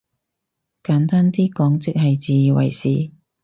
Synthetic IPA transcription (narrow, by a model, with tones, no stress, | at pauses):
kaː˨˥nt̪aː˥nt̪iː˥kɔː˨˥ŋt͡sɪ˨˥k̚hɐ˨jt͡siː˨jiː˨wɐ̰˨˩jsiː˨˥